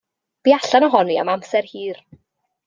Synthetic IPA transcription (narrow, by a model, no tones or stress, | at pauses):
b̥iaɬanɔɦɔnia̰mamsɛrhiːr